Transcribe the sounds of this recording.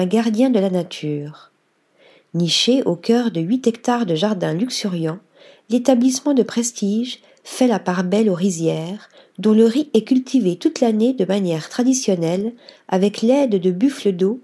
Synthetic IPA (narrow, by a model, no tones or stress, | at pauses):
ɛ̃ɡaʁd̪jɛ̃d̪əlanat̪ʰyːʁ | niʃeʔokʲœʁd̪əɥit̪ɛkt̪aʁd̪əʒaʁd̪ɛ̃lyksyʁjɑ̃ | let̪ablismɑ̃d̪əpχest̪iʒ | fɛlapaʁbɛloʁizjɛʁ | d̪ɔ̃ləʁiɛkʲylt̪ʰivet̪ut̪laned̪əmanjɛʁt̪χad̪isjɔnɛlavɛklɛd̪d̪əbyfləd̪o